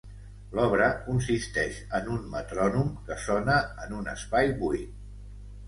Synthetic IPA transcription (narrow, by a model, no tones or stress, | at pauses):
lɔβ̞ɾəkuns̬ist̪ɛʃənunmət̪ɾɔnumkəsɔnəːnunə̰spajβuit̪